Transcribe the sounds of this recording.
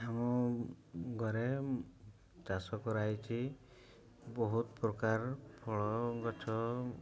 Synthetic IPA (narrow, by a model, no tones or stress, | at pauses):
amɔ | ɡʱɔɾe | t͡ʃasɔkɔɾajt͡ʃʰi | bɔɦut̪pɾɔkaɾpʰɔɭɔɡɔt͡ʃʰɔ